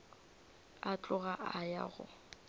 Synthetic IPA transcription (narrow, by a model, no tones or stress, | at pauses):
at͡ɬʼʊɣaʔaja̰ɣʊ̰